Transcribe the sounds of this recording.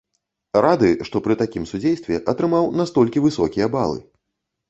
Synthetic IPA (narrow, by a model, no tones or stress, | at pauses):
ɾad̪ɨʂt̪ɔpɾɨt̪akʲimsud͡zʲejst̪vʲɛʔɐt̪ɾɨmawnast̪ɔlʲkʲivɨsɔkʲijɐbalˠɨ̰